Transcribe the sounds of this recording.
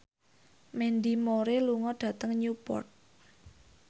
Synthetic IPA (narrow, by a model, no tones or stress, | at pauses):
mɛnd̪imoɾeluŋɔɖ̥ä̤t̪əŋɲupɔ̰rt̪̚